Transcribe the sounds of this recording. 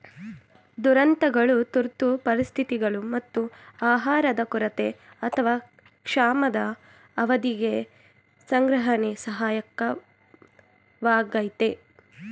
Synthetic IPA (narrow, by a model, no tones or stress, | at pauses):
d̪uɾɐnt̪ɐɡɐɭut̪uɾt̪upɐɾist̪ʰit̪iɡɐɭumɐt̪ːuaːɦaːɾɐd̪ɐkuɾɐt̪e | ɐt̪ʰɐʋaː | kʂaːmɐd̪ɐː | ʋɐd̪iɡe | sɐŋɡɾɐɦɐnesɐɦaːjɐkːɐ | ʋaːɡɐjt̪e